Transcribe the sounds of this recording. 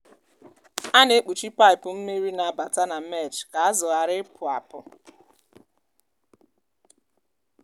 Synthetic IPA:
a˦ne˦e˦k͡pu˨t͡ʃi˦pa˦ɪ˨pʊ˨m̩˦me˦ɾi˦na˨a˨ba˨ta˦na˨me˦˨t͡ʃka˨a˦zɔ˨a˨ɾɪ˦pʰʊ˨a̰˨pʊ˨

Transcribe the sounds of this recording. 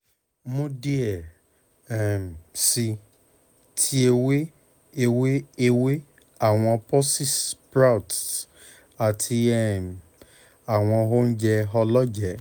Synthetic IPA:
mõ˦di˦ɛ˨ | ɛ˨msi˧ | tʰi˦e˧we˦ | e˧we˦e˦˧we˦ | a˦˨w̃ɔ̃˧pɔ˦si˦˨spɾa˦wt | a˨tʰii˧ɛ˦˨m | a˨w̃ɔ̃˧ɦo˦n̩˦d͡ʒɛ˧ɦɔ˧lɔ˦d͡ʒɛ˨˦

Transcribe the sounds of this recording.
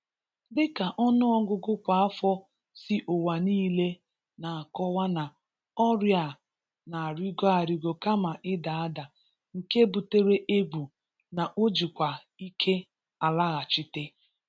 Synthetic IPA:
bɪ˦ka˨ʔɔ˦nʊ˦ɔ˦ɡʊ˦ɡʊ˦kʷa˨a˦fɔ˦ | sɪ˦ʔo˨wa˨niː˦le˦ | na˨a˨kɔ˦wa˦na˨ | ɔ˦ɾja˨ | na˨a˨ɾi˦ɡo˦a˨ɾi˨ɡo˨ka˦ma˨ʔɪ˦da˨a˦da˨ | ŋ̩˨ke˦bu˨te˦ɾe˦ʔe˦bu˨ | na˨ʔo˦d͡ʒi˨kʷa˨ | i˦kʰe˦ | a˨la˦ɣa˨t͡ʃi˦te˦

